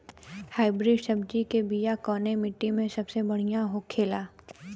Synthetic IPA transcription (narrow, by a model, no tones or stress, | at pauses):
haːɪbɾiːɖsɐbd͡ʒikebijakɔːnemɪʈːimẽsɐbsebɐɽ̤ijaɦokʰeːlaː